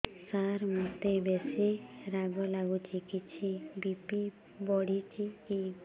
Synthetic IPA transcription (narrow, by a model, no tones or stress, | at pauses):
saɾmut̪ebesʰiɾaɡɔlaɡut͡ʃʰikit͡ʃʰibipi | bɔɽit͡ʃʰiki